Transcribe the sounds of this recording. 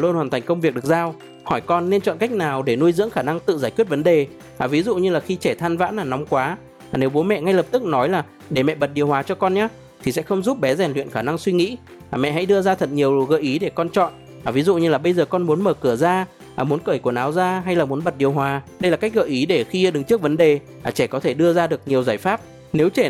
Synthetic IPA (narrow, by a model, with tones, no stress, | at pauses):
lo˧nwaː˨˩nt̪ʰa˨˩jŋ̟kə˧wŋ͡mvi˨˩ək̚ɗək̚zaː˧w | hɔ˧˩jkɔ˧nːe˧nt͡ɕɔ̰˧˨nka˦˥jk̚naː˨˩wɗe˧˩nu˧jzɨ̰˧˥əŋxaː˧˩na˧ŋt̪ɨ̰˧˨zaː˧˩jkwi˦˥ət̚və˨˦nɗe˨˩ | aː˨˩vi˨˦zṵ˧˨ɲɨ˧laː˨˩xi˧t͡ɕɛ˧˩t̪ʰaː˧nva̰ː˧˥nlaː˨˩na˨˦ŋ͡mkwaː˨˦˨ | ne˨˦wɓo˨˦mɛ̰˧˨ŋa˧jlə˨˩p̚t̪ɨ˦˥k̚nɔ˨˦jlaː˨˩ | ɗe˧˩mɛ̰˧˨ɓə˨˩t̚ɗi˨˩əwhwaː˨˩t͡ɕɔ˧kɔ˧nɲaː˨˧˦ | t̪ʰi˨˩sɛ̰˧˥xə˧wŋ͡mzu˦˥p̚ɓɛ˨˦zɛ˨˩nlḭ˧˨nxaː˧˩na˧ŋswi˧ŋḭ˧˥˨ | mɛ̰˧˨ɦa̰˧˥jɗɨ˧əzaː˧t̪ʰə̰˨˩t̚ɲi˨˩əwɣə̰ː˧˩jʔi˨˦ɗe˧˩kɔ˧nt͡ɕɔ̰˧˨n˨˩ | vi˨˦zṵ˧˨ɲɨ˧laː˨˩ɓə˧jzəː˨˩kɔ˧nmu˨˦ənməː˨˩kɨ˧˩əzaː˧˨˩ | mu˨˦nkəː˧˩jku˧˩ənaː˨˦wzaː˧ɦa˧jlaː˨˩mu˨˦ənɓə˨˩t̚ɗi˨˩əwɦwaː˨˩˦ɗə˧jlaː˨˩ka˦˥k̚ɣəː˧˨jʔi˨˦ɗe˧˩xi˧ɗɨ˨˦ŋt͡ɕɨ˦˥ək̚və˨˦nɗe˨˩˨ | t͡ɕɛ˧˩kɔ˨˦t̪ʰe˧˩ɗɨ˧əzaː˧ɗɨ˨˩ək̚ɲi˨˩əwzaː˧˩jfaː˦˥p̚ | ne˨˦wt͡ɕɛ˧˩